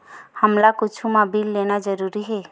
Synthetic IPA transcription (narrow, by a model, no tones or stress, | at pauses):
həmlakʊt͡ʃʰumabiːlːeːnad͡ʒəɾuːɾiɦɛː